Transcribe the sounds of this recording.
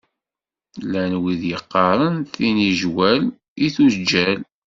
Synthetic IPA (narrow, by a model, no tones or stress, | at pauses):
lænwiðjəqːɑɾˤənθiniʒwæl | iθusd͡ʒæl